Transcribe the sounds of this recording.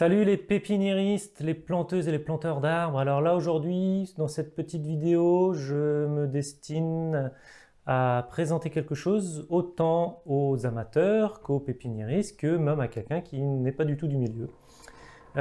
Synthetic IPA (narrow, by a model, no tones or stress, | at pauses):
salylepepinjeʁist̪leplɑ̃t̪øzeleplɑ̃t̪œʁd̪aʁbʁalɔʁlaoʒuʁd̪ɥid̪ɑ̃sɛt̪̚pət̪it̪vid̪eoʒəməd̪ɛst̪in | apχezɑ̃t̪ekʲɛlkəʃozot̪ɑ̃ozamat̪œʁkopepinjeʁist̪kəmɛmakʲɛlkʲɛ̃kʲinɛpad̪yt̪ud̪ymiljø